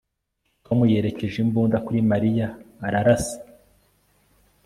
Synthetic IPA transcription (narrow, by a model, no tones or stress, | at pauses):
twamuje̞ːɾe̞ce̞ʒimbuːndakuɾimaɾijaːɾaɾasi̥